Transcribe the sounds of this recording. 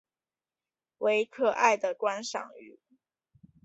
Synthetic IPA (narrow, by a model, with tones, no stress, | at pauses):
we˧˥ɪkʰɤ˥˧ʔa˥˩ɪd̪ə˩kwa˥nʂɑ̰˨˩ŋy̰˨˩˦